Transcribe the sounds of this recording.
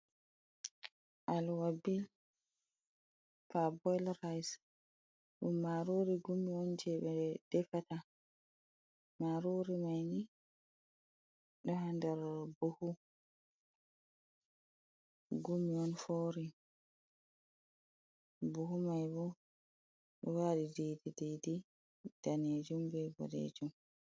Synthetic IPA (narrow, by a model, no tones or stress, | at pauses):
ʔalwabil | fabɔjlɾajs | ɗṵmːaɾuɾiɡumiɔnd͡ʒɛɓɛd̥ɛfata | maɾuɾimajni | ɗɔhandɛɾbuhu | ɡumiɔnfoːɾi | buhumajbɔ | ɗɔwaːɗidejdidejdi | d̥aned͡ʒumbɛbɔ̰ɗḛd͡ʒum